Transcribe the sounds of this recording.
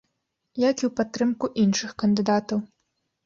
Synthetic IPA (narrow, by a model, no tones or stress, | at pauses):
jakʲiwpat̪ːɾɨmkuʔinʂɨxkɐnd̪ɨd̪at̪ɐw